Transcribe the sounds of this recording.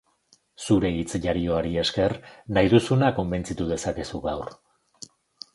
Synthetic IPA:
suɾe̞it͡sʝaɾio̞aɾie̞ske̞rnajðusunako̞mbe̞nt͡sit̪uð̞e̞sake̞suɣawr

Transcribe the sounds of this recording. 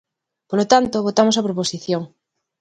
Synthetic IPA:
polot̪ant̪oβ̞ot̪amos̬apɾoposiθjoŋ

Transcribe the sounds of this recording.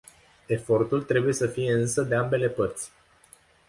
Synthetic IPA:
e̞fo̞rt̪ult̪ɾe̞buje̞səfije̞ɨnsəd̪e̞ambe̞le̞pərt̪sʲ

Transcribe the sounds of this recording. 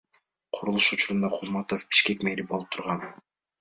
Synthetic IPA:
qʰʊɾulˠuʃut͡ʃuɾund̪ɑqʰulˠmɑt̪ofbi̥ʃke̞kmeɾipbolˠup̚t̪ʰuɾʁɑn

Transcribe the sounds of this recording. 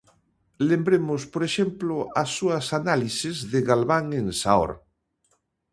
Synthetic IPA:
lembɾemospoɾeʃemploasːuasanalisezðeɣalβaŋensao̰ɾ

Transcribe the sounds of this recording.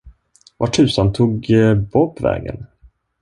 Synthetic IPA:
vaʈʰʉ̟ːsant̪ʰuːɡbɔpʰːvɛ̰ːɡə̰n

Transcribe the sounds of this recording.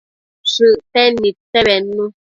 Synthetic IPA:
ʃʉʔtɛnitɛbɛnːu

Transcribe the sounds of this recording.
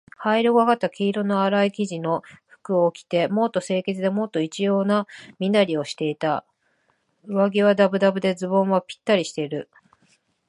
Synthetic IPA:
haiɾoɡaɡat̪ːakʲiːɾo̞no̞aɾaikʲiʑino̞ɸɯ̟̥kɯ̟okʲi̥t̪e̞mo̞t̪ːo̞se̞ːke̞t͡sɨd̪e̞mo̞t̪ːo̞it͡ɕijo̞ːnamʲinaɾʲio̞ɕi̥t̪e̞it̪a | ɯ̟βaɡʲiβ̞ad̪abɯ̟d̪abɯ̟d̪e̞d͡zɨbõɰ̃βapʲi̥t̪ːaɾʲiɕi̥t̪e̞iɾɯ̟

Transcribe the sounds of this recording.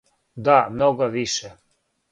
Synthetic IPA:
d̪amnoɡaʋiʃɛ

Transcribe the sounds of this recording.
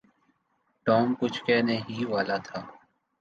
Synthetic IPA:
ʈɔːmkʊt͡ʃʰkɛːneɦiːʋaːlaːt̪ʰaː

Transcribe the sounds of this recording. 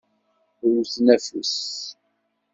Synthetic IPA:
ɾuθnæfus

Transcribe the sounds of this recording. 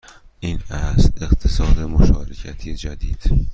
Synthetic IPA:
ʔinæst̪eqt̪ʰesɒːd̪emoʃɒːɾecʰæt̪ʰijed͡ʒæd̪id̪̥

